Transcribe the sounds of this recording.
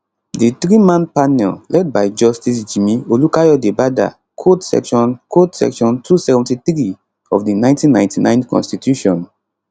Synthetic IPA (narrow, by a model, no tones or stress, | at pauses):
dit̪ɹimãnpanɛllɛd̚bajd͡ʒɔstis̬d͡ʒimiolukajɔdebada̰ | kʰotsɛ̰kʃɔ̃nkʰotsɛ̰kʃɔ̃ntʰusɛvɛ̃ntitɹi | ɔfdinãɪ̃ntĩnːãj̃ntinãɪ̃nkɔ̰̃nstitʰjuʃɔ̃n